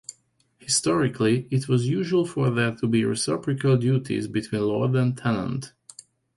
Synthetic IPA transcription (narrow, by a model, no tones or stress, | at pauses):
hɪstɔɹɪkʰliɪtʰwɔzjuʒəlˠfə˞ðætʰubiɹɛ̰sɛpɹɨkʰəlˠdjutʰḭzbɨtʰw̥ĩːnlɔɹdə̃ntʰɛnə̰̃nt